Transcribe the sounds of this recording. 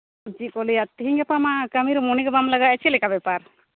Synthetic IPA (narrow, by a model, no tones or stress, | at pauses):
d͡ʒikɔlijat̪iɦiŋɡɛpamakamiɾmɔniɡɔbamlaɡaɛt͡ʃʰilɛkabɛpaɾ